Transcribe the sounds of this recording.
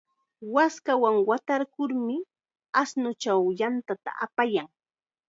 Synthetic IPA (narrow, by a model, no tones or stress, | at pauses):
waskawaŋwat̪aɾkʊɾmɪ | asnʊt͡ʃawjant̪at̪a̰ʔapajaŋ